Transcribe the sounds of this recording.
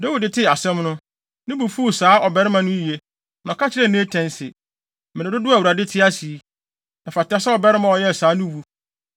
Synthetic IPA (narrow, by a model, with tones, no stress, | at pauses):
do˦wu˨dɪ˨tʰɪ˦˨a˨sɛ̃˦mnʊ̃˦ | nɪ̃˦bu˨fu˦˨saː˨˦ʔɔ˨bɛ˦ɾɪ˦mã˦nʊ̃˦ji˨e˦ | n˨ɔ̃˨kʰa˦t͡ɕʰɪ˦ɾɛ˦˨nɪ̃˦e˦tʰɛ̃˦nsɪ̰˨ | mɪ̃˨ɪ̃˨dʊ˦dʊ˦a˨u˨a˨dɪ˦tʰɪ˦a˦si˨˦ | nã˨fa˨ta˦sa˦ɔ˨bɛ˦ɾɪ˦mã˨ɔ˨jɛ˦˨saː˨˦nʊ̃˦wu˦